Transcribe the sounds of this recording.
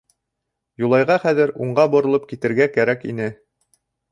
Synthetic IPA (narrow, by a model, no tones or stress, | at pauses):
julˠɑjʁɑχæðɘɾuɴɢɑbŏɾɤ̆lˠɤp̚kit̪ɘ̆ɾɡækæɾækḭnɘ